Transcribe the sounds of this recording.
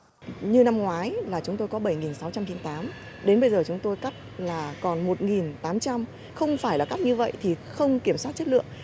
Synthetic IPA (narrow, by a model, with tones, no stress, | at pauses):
ɲɨ˧na˧mŋwaː˨˦jlaː˨˩t͡ɕʊ˨˦ŋ͡mt̪o˧jkɔ˨˦ɓə˧˩jŋi˨˩nsa˨˦wt͡ɕa˧mt͡ɕi˨˧˦nt̪aː˨˦m | ɗe˨˦nɓə˧jzəː˨˩t͡ɕʊ˨˦ŋ͡mt̪o˧jka˦˥p̚laː˨˩kɔ˨˩nmo˨˩t̚ŋi˨˩nt̪aː˨˦mt͡ɕa˧m | xə˧wŋ͡mfaː˧˩jlaː˨˩ka˦˥k̚ɲɨ˧və̰˧˨jt̪ʰi˨˩xə˧wŋ͡mki˧˩əmswa˦˥t̚t͡ɕə˦˥t̚lɨ̰˧˨əŋ